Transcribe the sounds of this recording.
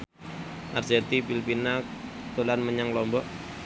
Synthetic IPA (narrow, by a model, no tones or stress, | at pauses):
ʔa̰rsert̪ipilpinat̪ulanməɲaŋlɔmbɔʔ